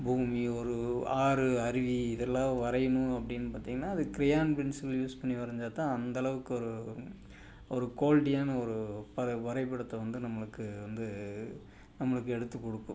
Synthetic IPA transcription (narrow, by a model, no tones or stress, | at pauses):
buːmiɔɾɯaːɾɯɐɾɪʋiɪðɛlːãːʋɐɾɐjɐnʊ̃ɐpːɐɽɪnːɯpaːɾt̪iːŋɡɐnːaːɐðɯkɪɾɪjaːnpɾɪnsɪljuːspɐɳːiʋɐɾɐɲd͡ʒaːt̪ãːɐnd̪ɐlɐʋɯkːɯɔɾɯ | ɔɾɯkoːlʈɪjaːnɐɔɾɯpɐʋɐɾɐɪpːɐɽɐt̪ːɐʋɐnd̪ɯnɐmːɐɭɯkːɯʋɐnd̪ɯ | nɐmːɐɭɯkːɯɛɽɯt̪ːɯkːɔɽɯkːʊ̰̃